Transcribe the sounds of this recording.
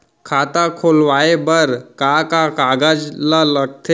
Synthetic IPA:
kʰat̪akʰolʋaebəɾkakakaɡad͡ʒlaləɡ̚t̪ʰe

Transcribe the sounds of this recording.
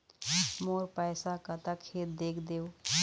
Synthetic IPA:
moːɾpɛːsakət̪akʰeːt̪̚d̪eːkʰd̪eːoː

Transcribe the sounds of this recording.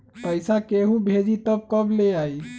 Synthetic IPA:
pəjsakeɦũbʱed͡ʒit̪əb̚kəbleaj

